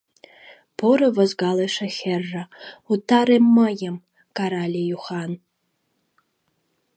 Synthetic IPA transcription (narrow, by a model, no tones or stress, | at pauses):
pʰoɾɐvɐzɡalɐʂɐxʲerːautʰaɾemːajɛm | kʼaɾalʲijuχan